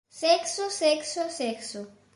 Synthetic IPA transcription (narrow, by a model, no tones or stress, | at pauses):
seksoseksoseksu